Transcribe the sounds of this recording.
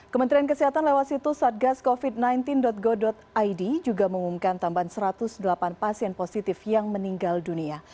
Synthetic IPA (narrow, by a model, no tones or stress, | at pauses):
kəmənt̪ɾiank̬əsiɦat̪anlewat̪sit̪usat̪̚ɡaskofid̚najnt̪ɪndɔt̪̚ɡɔdɔt̪̚ajdid͡ʒuɡaməumumkant̪ambaansəɾat̪ʊsdəlapanpasiɛnposit̪ɪfjaŋməniŋɡaldunia